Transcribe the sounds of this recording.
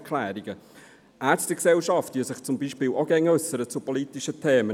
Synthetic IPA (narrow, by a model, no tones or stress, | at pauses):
kʰlæːɾiɡə | ʔæːɾstəksɛlʃɑftʋiəsɪχt͡sʊmbiʃpɪːlʔoɡ̥ɛŋːəɵsːəɾət͡supɔlit̪iʃətʰeːmə